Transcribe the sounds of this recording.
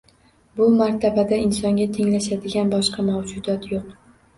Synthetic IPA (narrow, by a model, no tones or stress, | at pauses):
bʊmaɾt̪ʰabad̪aɪnsɒŋɡʲat̪ʰe̞ŋlaʃad̪ɪɡʲanbɒʃqɑmawd͡ʒʊd̪ɒt̪joq